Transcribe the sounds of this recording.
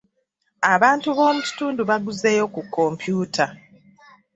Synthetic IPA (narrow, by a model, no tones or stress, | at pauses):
aβaːntuβo̞ːmucu̥tuːnduβaɡuzeːjo̞kukːo̞mpjuːtʰa